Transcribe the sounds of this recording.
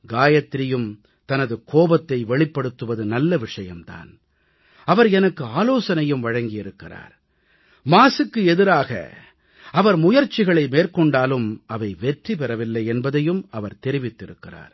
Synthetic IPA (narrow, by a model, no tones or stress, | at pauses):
ɡaːjɐt̪ːɪɾɪjɯm | t̪ɐnɐðɯkʰoːbɐt̪ːɐɪʋɛɭɪpːɐɽɯt̪ːɯʋɐðɯnɐlːɐʋɪʂɐjɐmt̪a̰ːn | ɐʋɐɾɛnɐkːɯaːloːsɐnɐjɯmʋɐɻɐŋɡɪjɪɾɯkːɪra̰ːɾ | maːsɯkːɯɛðɪɾaːɣɐ̰ | ɐʋɐɾmʊjɐɾt͡ʃːɪɣɐɭɐɪmeːrkɔɳɖaːlɯmɐʋɐɪʋɛʈripɛɾɐʋɪlːɐɪɛnbɐðɐjɯmɐʋɐɾt̪ɛɾɪʋɪt̪ːɪɾɯkːɪra̰ːɾ